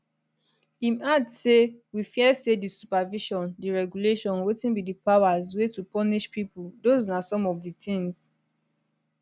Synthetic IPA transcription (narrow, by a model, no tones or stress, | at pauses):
ĩmadsewifiɛsedisupaviʃɔ̃ndiɹɛɡjuleʃɔ̃nwitĩnbidipawazwetupɔniʃpipuldoznasɔ̃mɔvditĩŋz